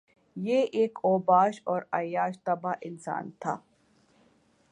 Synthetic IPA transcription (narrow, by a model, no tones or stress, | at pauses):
jeʔeːkoːbaːʃɔːɾaːjaːʃt̪ɐbaːʔɪnsa̰ːnt̪ʰa̰ː